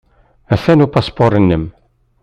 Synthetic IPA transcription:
æθænupɑspoɾˤənːəm

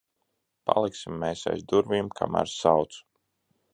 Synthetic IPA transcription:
pa̰lˠiksimːeːsa̰jzd̪uɾvimkʰa̰mæ̰ːɾsawt̪su̥

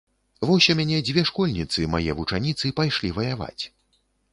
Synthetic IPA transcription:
vɔwsʲɛmʲanʲɛd͡zʲvʲɛʂkɔlʲnʲit̪sɨmajɛvut͡ʂanʲit̪sɨpajʂlʲivɐjava̰t͡sʲ

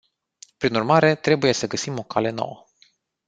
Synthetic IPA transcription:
pɾinurmaɾe̞t̪ɾe̞buje̞səɡəsimo̞kale̞no̰wə

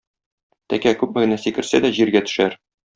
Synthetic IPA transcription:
t̪ækækʉpmɘ̆ɡɘ̆næsikɘ̆ɾsæd̪æʑiɾɡæt̪ɵ̥̆ʃæɾ

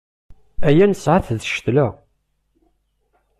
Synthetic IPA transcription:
æjænəsʕaθðəʃt̪la

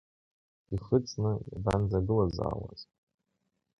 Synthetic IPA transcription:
iχət͡sʼnɨbanzaɡɨlaza̰ːwa̰z

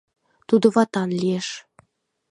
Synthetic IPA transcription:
t̪ud̪ŏβɑt̪ɑnlʲieʃ

